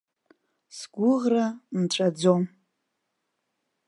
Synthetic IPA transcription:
sɡʷʊʁranʈ͡ʂʷʼad͡zo̞m

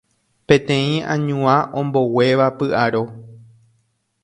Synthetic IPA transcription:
pẽ̞t̪ẽ̞ĩãɲũãʔõmbo̞we̞ʋapɨʔaɾo

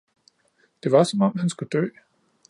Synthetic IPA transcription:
d̥e̝ʋɑ̈sɒ̽mɒ̽m̰hænsɡ̥ud̥ø̰ː

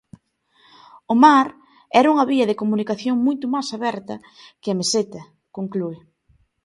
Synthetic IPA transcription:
ʊmaɾ | ɛɾɐuŋɐβiɐðekomunikaθjoŋmujt̪ʊmajsaβɛɾt̪ɐ | kɪɐmeset̪ɐ | koŋkluɪ

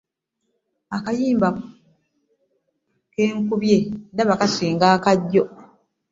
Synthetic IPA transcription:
akajiːmba | ke̞ːŋkuβje̞ndaβakasiːŋɡaːkaɟːo̞

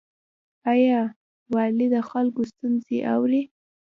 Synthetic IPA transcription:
ajɑ | wɑlid̪əxalkost̪unzḛʔa̰wɾi

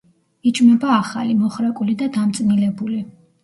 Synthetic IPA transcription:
id͡ʒmɛbaːχalimɔχɾakʼulid̪ad̪amt̪sʼnilɛbuli

